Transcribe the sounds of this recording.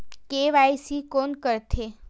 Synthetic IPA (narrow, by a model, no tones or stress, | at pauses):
keʋajsikonkəɾt̪ʰe